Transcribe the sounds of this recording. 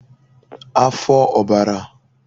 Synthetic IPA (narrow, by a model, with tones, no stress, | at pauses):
a˦fɔ˦ʔɔ˨ba˨ɾa˨